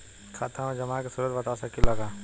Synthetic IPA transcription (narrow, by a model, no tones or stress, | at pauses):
kʰaːt̪ʰãmẽd͡ʒɐmaːkesuɾət̪bɐt̪asɐkːilɐɡaː